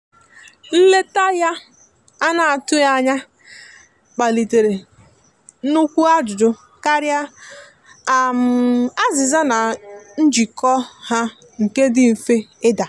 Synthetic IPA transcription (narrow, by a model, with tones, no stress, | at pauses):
n̩˦le˦ta˦ja˦ | a˦na˨a˨tʊ˦ja˦ɲa˦ | k͡pa˨li˨te˨ɾe˨˦ | nʊ˦kʷu˦a˦d͡ʒʊ˨dʊ˦ | ka˦ɾja˦ | a˨m̩˨a˦zɪ˨za˦na˨n̩˦d͡ʒi˨kɔ˦ha˦ | ŋ̩˨ke˦dɪ˦m̩˨fe˦ɪ˦da˨